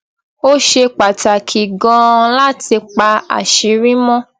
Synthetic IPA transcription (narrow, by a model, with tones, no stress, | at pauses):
o˦ʃe˧k͡pa˨ta˨kʰi˨ɡɔ̃˧la˦ti˧k͡pa˧a̰˨ʃi˨˦ɾĩ˦mɔ̃˦